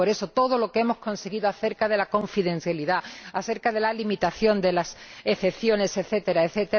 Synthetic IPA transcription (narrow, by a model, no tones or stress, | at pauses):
o̞ɾe̞so̞t̪o̞ð̞o̞lo̞keemo̞sko̞nse̞ɣiðoaθe̞ɾkaðe̞lako̞ɱfiðe̞n̟θjaliðaaθe̞ɾkaðe̞lalimit̪aθjo̞nd̪e̞lase̞θe̞pθjo̞ne̞se̞θe̞t̪e̞ɾaeθe̞t̪e